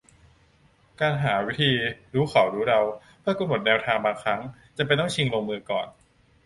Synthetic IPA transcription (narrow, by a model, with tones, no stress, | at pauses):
kaː˧nɦaː˩˦wi˦˥t̪ʰiː˧ɾuː˦˥kʰa˨˩˦wɾuː˦˥ɾa˧w | pʰɯ˥˩ɐko˧nmo˨˩t̪̚nɛː˧wt̪ʰaː˧ŋbaː˧ŋkʰɾa˦˥ŋt͡ɕa˨˧mpe˧jt̪ɔ˥˩ŋt͡ɕʰi˧ŋɾoː˧ŋmɯː˧kɔ̰ː˨˩n